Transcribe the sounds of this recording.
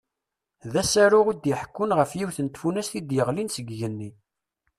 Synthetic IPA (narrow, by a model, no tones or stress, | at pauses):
ðæsæɾʊʁid̪jəħkːʊnʁəfjiwθənt̪funæsθid̪jəʁlinsəɡʝənːi